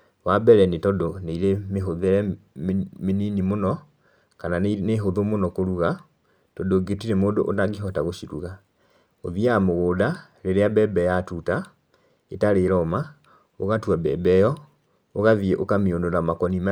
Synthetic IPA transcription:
wabɛɾɛnetɔdoneiɾemeɦoðeɾɛ | meninimonɔ | kananeɦoðomonɔkoɾuɣa | tɔdoɡetiɾemoːndoʔonaɡiɦɔtaɣoʃiɾuɣa | oðiamoɣoːda | ɾeɾeabɛbɛjatuta | etaɾeɾɔma | oɣatwabɛbɛjɔ | oɣaðieʔokamiondonamakɔnima

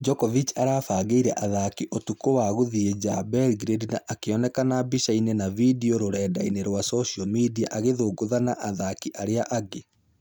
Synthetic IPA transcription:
d͡ʒɔkɔvit͡ʃaɾafaːɣeiɾɛʔaðakiʔotukowaɣoðied͡ʒabɛlɡɾedinaʔakeɔnɛkanabiʃainenavidioɾoɾɛːdaineɾwasɔʃiɔmidia̰ʔaɣeðoːɡoðanaʔaðakiʔaɾeaʔaɡe

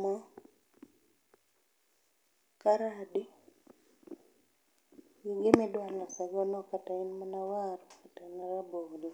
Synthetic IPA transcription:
mɔ | kaɾadi | ɡiɡɪmɪdwalasaɡɔnɔkatainmanawaɾɔkatanaɾabodi

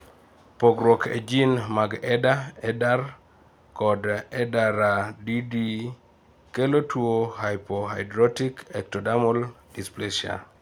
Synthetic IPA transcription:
poɡɾwɔkʰḛd͡ʒinmaɡɛdaɛdar | kɔdɛdaɾadidi | kelotwohajpoɦajdɾɔtikɛk̚tɔdamɔl | displeʃia̰

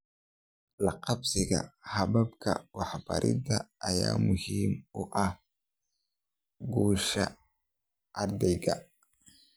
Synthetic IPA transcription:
lɑqɑbsɪɣɐ̰hɐbɐbkʰɐ̰wɑħbɐ̰ɾʔɪ̰dɐːjaːmʊhiːmʊʔɐh | ɡuːʃɐ̰ | ʔɐrd̪ɛjɣɐ

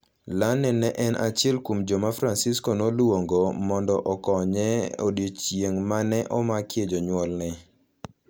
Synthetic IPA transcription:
lanɛnɛʔɛnʔat͡ʃɪɛlkumd͡ʒɔmafɾansɪskɔnolwoŋɡomɔndɔʔɔkɔɲɛo̰djet͡ʃjeŋmanɛʔɔmakjed͡ʒɔɲwɔlnɛ

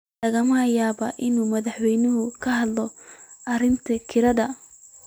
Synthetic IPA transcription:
lɐɣɐmɐjaːβɐʔɪnuːmɐðɑħwɛjnʊɦʊkʰɐɦɐd̪lɔʔɐrɪmt̪ʰɐkʰɪɾɐðɐ

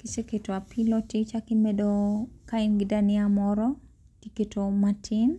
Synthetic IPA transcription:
kiseketoapʰilotit͡ʃakimedokaɪnɡɪdanɪamɔɾɔ | tiketʰomatʰɪn

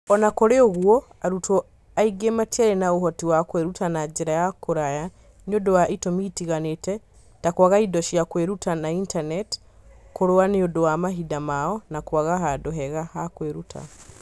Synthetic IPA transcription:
ɔnakoɾeoɣwɔ | aɾutʰo | aiɡematiaɾenaoɦɔtiwakweɾutanad͡ʒeɾajakoɾaja | neodowaʔitomitiɣanetɛ | takwaɣaidɔʃiakweɾutanaintanɛt | koɾoaneodowamaɦidamaɔnakwaɣaɦadoɦɛɣahakweɾutʰa̰

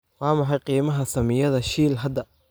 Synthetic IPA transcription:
wɑːmɑħɑjqiːmɐɦɐsɐmɪjɐðɐʃiːlɦɐd̪ːɐ

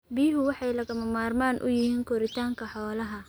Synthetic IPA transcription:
biːɦʊwɑħɑjlɐɣɐmɐmaːrmaːnʔʊ̰jɪhiːŋkʰɔɾɪt̪ʰaːŋkʰɐħɔːlɐɦɐ

